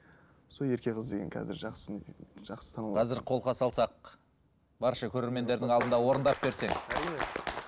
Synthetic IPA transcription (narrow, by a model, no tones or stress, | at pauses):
solˠe̞ɾkʲe̞ʁəzd̪e̞ɡʲeŋkʲʰɑ̰zɪ̰ɾ | ʒ̥ɑqsə̥t̪ʰɑnəqʰɑzɪɾqʰo̞lˠqʰɑsɑlˠsɑq̚ | bɑɾʃɑkʲʰɵɾe̞ɾme̞nd̪e̞ɾd̪ɪŋɑlˠd̪ənd̪ɑwo̞ɾənd̪ɑp̚be̞ɾse̞ŋ